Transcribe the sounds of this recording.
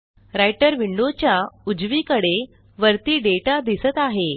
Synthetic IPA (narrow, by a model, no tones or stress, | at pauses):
ɾajʈəɾʋiɳɖot͡ɕjaud͡zʋiːkəɽe | ʋəɾt̪iːɖeʈad̪isət̪aɦe